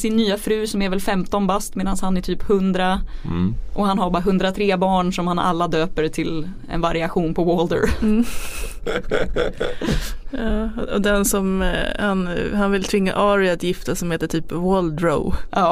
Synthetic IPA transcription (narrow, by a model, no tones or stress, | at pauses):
sɪnːyːafɾʉ̟ːsɔmɛɾvɛlfɛmt̪ɔnbast̪meːd̪anshanæʈʰyːphɵnd̪ɾa | ʔɔhanɦabaɦɵnd̪ɾat̪ʰɾeːbɑːɳʂɔmhana̰lːad̪øːpəɾt̪ʰɪl | ɛ̰nvaɾɪaɧuːnpʰɔwɔld̪ə̰ɾ | ɑːɔ̰d̪ɛnsɔmhanhanvɪlt̪ʰvɪŋːa̰ʔɑːɾɪat̪jɪft̪asɔmheːt̪əʈʰyːpvɔld̪ɾo̰ʊʔɑː